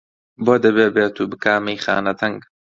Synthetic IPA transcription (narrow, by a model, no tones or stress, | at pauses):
boːd̪ɐbeːbeːt̪ʰuːbɨkaːmejxa̰ːnɐt̪ʰɐŋɡ